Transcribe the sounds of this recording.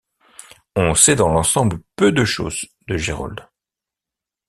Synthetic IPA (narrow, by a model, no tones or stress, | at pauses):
ɔ̃sɛd̪ɑ̃lɑ̃sɑ̃bləpød̪əʃo̰ːzd̪əʒeʁɔ̰ld̪